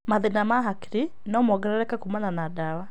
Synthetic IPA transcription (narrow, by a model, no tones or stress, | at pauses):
maðinamaɦakiɾi | nɔmɔɡɛɾɛɾɛkakumananadawa